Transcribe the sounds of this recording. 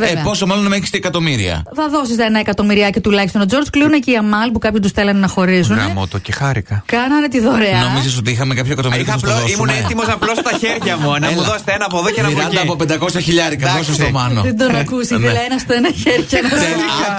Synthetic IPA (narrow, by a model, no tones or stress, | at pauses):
veeɐpo̞somɐlonmeçi̥st̪iekɐt̪o̞miɾḭɐ̰θɐðo̞sisenɐekɐt̪o̞miɾiɐcet̪ulɐçist̪o̞nod͡zo̞ɾd͡zkliuneceiɐmɐlpukɐpçost̪usθelɐnnɐxo̞ɾis̬unnɐmo̰t̪ocexɐɾikɐkɐnɐnet̪iðoɾeɐnomizis̬o̞t̪iixɐmekɐpçoekɐt̪omiɾisst̪oimunet̪imosɐplost̪ɐçeɾʝɐmunɐluðose̥t̪eenɐɐpoðocenɐiɾɐnd̪ɐːpopend̪ɐko̞sɐçiʎɐɾikɐɐos̬ɐst̪omɐnoðed̪onɐkusilɐenɐst̪oenɐçeɾʝɐnɐɐ